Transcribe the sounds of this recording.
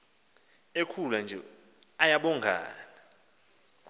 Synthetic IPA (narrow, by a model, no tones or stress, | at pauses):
ekʰuland͡ʒʱɛ̰ | ajaɓɔŋɡʱa̰ːna